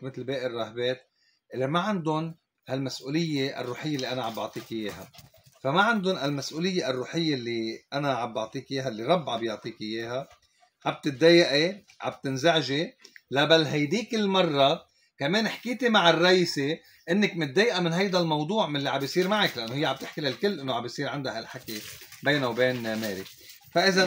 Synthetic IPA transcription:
mɪt̪lbeːʔɪrˤːɑhbeːt̪ | ʔɪlːemaʕɪnd̪ʊn | halmasʔuːlɪjːeʔa̰rˤːuːħɪjːelːiʔanaʕabʔɑ̰ʕt̪ˤiːkɪjeːha̰famaʕand̪ʊnalmasʔuːlɪjːeʔarˤːuːħɪjːelːiʔanaʕabʔɑʕt̪ˤiːkjeːɦalːiɾˤɑbːʕabjʊʕt̪ˤiːkɪjeːɦa | ʕab̚t̪ɪd̪ːejaʔe | ʕa̰b̚t̪ɪnzaʕʒelabalːɦajd̪iːkɪlːmɑrˤːɑ | kameːnɪħkiːt̪imaʕɪrˤːɑʔiːse | ʔɪnːɪkmɪt̪̚ːeːjʔamɪnɦajd̪almɑwd̪ˤuːʕmɪnlːiʕabjsˤiːɾmaʕaklaʔanːohɪjːʕab̚t̪ɪħkilalkɪlːʔɪnːoʕabjsˤiːɾʕand̪ahalħakebeːnawbeːnmeːlɪk | faʔɪza

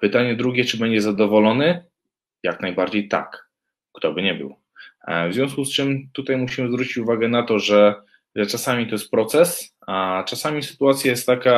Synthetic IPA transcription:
pɘt̪aɲɛd̪ɾuɡʲɛt͡ʂɘbɛɲd͡ʑɛzad̪ɔvɔlɔnɘ | jaknajbaɾd͡ʑejt̪a̰k | kt̪ɔbɘɲɛbɘ̰w | vzvʲjɔ̃w̃skust͡ʂɘmt̪ut̪ajmuɕimɘzvɾut͡ɕit͡ɕuvaɡɛn̪at̪ɔʐɛ | ʐɛt͡ʂasamʲit̪ɔjɛst̪̚pɾɔt̪sɛs | at͡ʂasamʲisɘ̥t̪uat̪sʲjajɛst̪ːaka

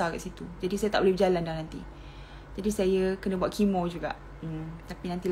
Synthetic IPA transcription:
aɾɛ̰ʔsit̪ud͡ʒadisajat̪aʔbolehbd͡ʒalandanant̪i | d͡ʒadisajəkənəbwat̪̚kʰimɔ̃d͡ʒuɡa̰ʔ̩ | t̪apinãnt̪il

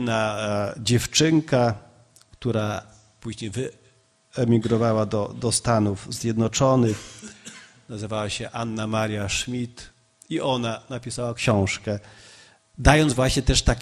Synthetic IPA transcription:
nad͡ʑɛft͡ʂɘŋka | kt̪uɾa | puʑɲejvɘ | ɛmʲiɡɾɔvawad̪ɔd̪ɔst̪anuvzʲjɛd̪nɔt͡ʂɔnɘx | nazɘvawaɕɛʔanːamaɾjaʂmʲit̪ | iʔɔnanapʲisawakɕɔ̃w̃ʂkɛ | d̪ajɔnd̪zvwaɕɲɛt̪ɛʂt̪ak

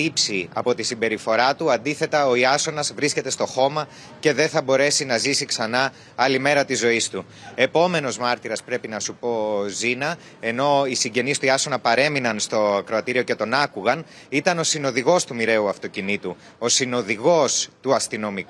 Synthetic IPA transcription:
ipsiɐ̰po̞t̪isimbe̞ɾifo̞ɾɐt̪uɐnd̪iθe̞t̪ɐo̞iɐso̞nɐzvɾisce̞t̪e̞st̪o̞xo̞mɐ | ce̞ðe̞θɐbo̞ɾe̞sinɐzisiksɐnɐ | ɐlime̞ɾɐt̪izːo̞ist̪u | e̞po̞me̞no̞zmɐɾt̪iɾɐspɾe̞pinɐsupo̞zinɐ | e̞no̞isiɲɟe̞nist̪uiɐso̞nɐpɐɾe̞minɐnst̪o̞ɐkɾo̞ɐt̪iɾio̞ce̞t̪o̞nɐkuɣɐn | it̪ɐno̞sino̞ðiɣo̞st̪umiɾe̞uɐft̪o̞cinit̪u | o̞sino̞ðiɣo̞st̪uɐst̪ino̞mik

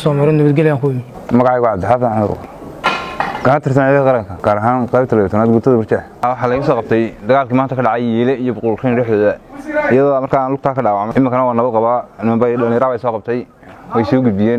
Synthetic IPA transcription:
sɔːmɐɾɔnɐβɐd̪ɡɛlɛjaːŋkʰʊɪ | mɐɣɑʕɑɣʊʕɑd̪ħafaʕanʊ̰ɾʊ̰ | kʰɐnɐt̪ʰɪrs̬ɐnʕiːðqɑɾɐŋkʰɐɡ̥aːɾɐɦaːnqɑjbt̪ʰɐlɛjt̪ʰɐnaːd̪ɡʊt̪ʰɐðɐbʊrt͡ʃɛħwɑħɑːlɛɣʊs̬ɔːqɑb̚t̪ʰɛjd̪ɐɣaːlkʰiːmaːnt̪ɐkʰɐɖɑʕɑjjiːlɛijɔbʊqʊlkʰɛjnɖɛːħðɔːðɐɪjɐðɔːmɐrkʰaaːnlʊk̚t̪ʰaːkʰɐɖaːwɑʕmɛʔɪmːɪkʰɐnɐwaːnɐβɐd̪qɑβaːnɪmɐmbɐɐnɾaːβɛjsɔːqɑb̚t̪ʰɛj | wɛjsɔːɡʊd̪bɪjɛːn

